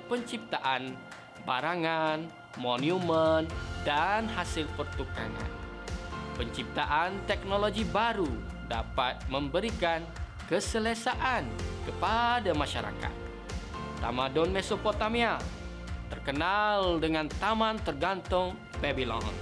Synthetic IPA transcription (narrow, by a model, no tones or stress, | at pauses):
pəɲt͡ʃip̚t̪aʔan | baɾaŋan | moniuməndanhasɪlpərt̪uka̰na̰n | pəɲt͡ʃip̚t̪aʔant̪ɛk̚noloɡibaɾu | da̰pat̪̚məmbəɾikan | kəsəlesaʔankəpadamaʃa̰ɾa̰ka̰t̪̚ː | a̰madɔnmɛsopot̪amial | t̪ərkənaldəŋant̪amant̪ərɡant̪ʊŋ | pɛbilɔ̰n